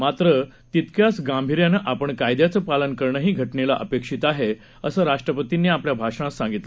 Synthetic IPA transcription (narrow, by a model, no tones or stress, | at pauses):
mat̪ɾə | t̪it̪kjasɡãmbʱiɾjanəʔapəɳkajd̪jat͡səpalənkəɾɳəɦiːɡʱəʈnelaʔəpekʂit̪aɦe | əsəːɾaʂʈɾəpət̪inːiːapljabʱaʂɽ̃ãsãŋɡit̪lə